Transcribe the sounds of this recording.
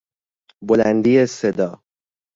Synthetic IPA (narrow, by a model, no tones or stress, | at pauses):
bolænd̪iːesed̪ɒː